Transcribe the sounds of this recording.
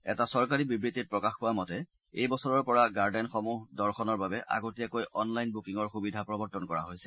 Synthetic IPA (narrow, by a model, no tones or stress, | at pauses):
ɛtasɔɹkaɹibibɹitːit̚pɹɔkaxpʊwamɔtɛ | ejbɔsɔɹɔɹpɔɹaɡaɹdɛnxɔmuɦdɔɹxʰɔnɔɹbabɛʔa̰ɡotiakojʔɔnlajnbukiŋɔɹxubidʱapɹɔbɔɹtɔnkɔɹa̰ɦojsɛ̥